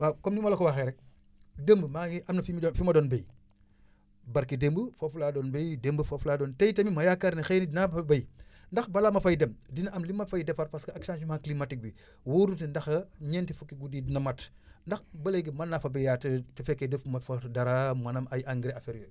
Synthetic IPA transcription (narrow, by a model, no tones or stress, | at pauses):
wakomnimalokowaxeɾɛk̚ | dembəmaiʔamnɐfimfimɐdoːnbej | baɾkidembəfoflaːdɔːnbejdembəfoflaːdɔntejtɐmimɐjakːaɾnixenidnabɐjndɐxbalamɐfajdemdinɐʔamlimːatfajidɛfɐɾpaskɐaksanʃimhaklimatik̚bi | wuɾutindɐxɐɲentifukːiɡudidinɐmat | ndɐxbɐleɡimanːafɐbejjattifɛkːedefmɐfadaɾamɐnɐmajʔaŋɡiɾeafeɾjo